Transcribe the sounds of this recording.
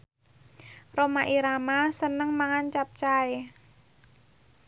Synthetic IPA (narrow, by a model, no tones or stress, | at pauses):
romaʔiɾamasənəŋmaŋant͡ʃap̚t͡ʃae